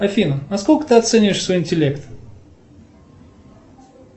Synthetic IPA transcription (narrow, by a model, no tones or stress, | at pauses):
ɐfʲinənɐskolʲkə̥t̪ɨɐt̪sɛnʲɪvɪʂsvo̞jɪnʲtʲɪlʲe̞kt̪